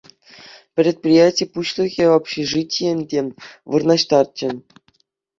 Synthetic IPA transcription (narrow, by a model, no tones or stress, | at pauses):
pʲrʲet̪̚pʲrʲijætʲijpuɕlʲˠɤ̆ɣʲevɑpɕeʐɨtʲijɘ̆nʲdʲeʋɯrnɑɕt̪ɑrt̪̚t͡ɕɘ̆